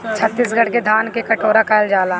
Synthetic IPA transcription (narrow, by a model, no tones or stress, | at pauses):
t͡ʃʰɐt̪ːiːsɡʱɐɽked̪ʱaːnkekɐʈoːɾakaɪld͡ʒaːlaː